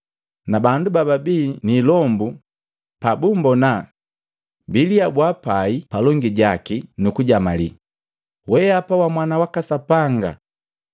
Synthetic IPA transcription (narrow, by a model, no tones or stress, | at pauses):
nabandubababiːnilɔmbu | pabumbɔna | biliabwapaipalɔŋɡiɟakinukuɟamalḭ | wɛapawamwanawakasapaŋɡa̰